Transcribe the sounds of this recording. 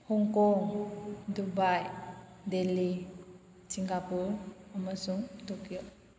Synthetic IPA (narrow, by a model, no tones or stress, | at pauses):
hɔŋkɔŋdubajdeli | siŋkapuɾaməsuŋtɔkijɔ